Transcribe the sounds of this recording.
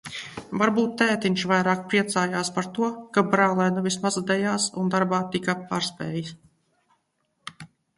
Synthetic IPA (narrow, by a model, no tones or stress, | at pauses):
vaɾbuːt̪ːɛːt̪inʃvajɾaːk̚pɾiɛt̪saːjaːspaɾt̪uɔkabɾaːlˠɛnuvʲismazd̪ɛjaːsund̪aɾbaːt̪ikapaːɾspʲɛ̰ːjis